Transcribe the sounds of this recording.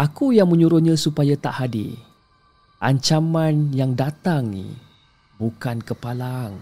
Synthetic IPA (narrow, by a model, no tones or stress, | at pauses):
ʔakujaŋmə̃ɲũɾʊnɲãsupajat̪aʔhadḭ | ʔa̰ɲt͡ʃamãnjaŋdat̪aŋḭ | bukankəpalaŋ